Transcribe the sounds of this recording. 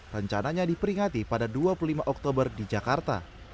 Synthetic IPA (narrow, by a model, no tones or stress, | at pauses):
rəɲt͡ʃanaɲadipəɾiŋat̪ipadaduapululimaʔɔk̚t̪obərdid͡ʒakart̪a̰